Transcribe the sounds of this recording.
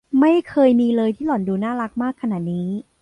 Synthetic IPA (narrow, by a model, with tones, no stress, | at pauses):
ma˥˩jkʰɤː˧jmiː˧lɤː˧jt̪ʰiː˥˩lɔ˩˦nduː˧naː˥˩la˦˥k̚maː˥˩kʰːa˧na˨˩t̪̚niː˦˥